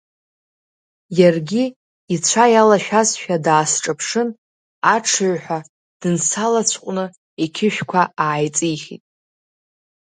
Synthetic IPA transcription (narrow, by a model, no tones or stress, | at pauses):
jarɡʲi | it͡ɕʷʰajalaʃᶣasʃᶣadaːsʈ͡ʂʼɨpʰʂɨn | aʈ͡ʂʰɨʕħʷᶣa | d̥ɨnsalat͡ɕʷʰqʷʼnɨ | ekʲʰɪʃᶣkʷʰaaːjt͡sʼijχʲḭtʼ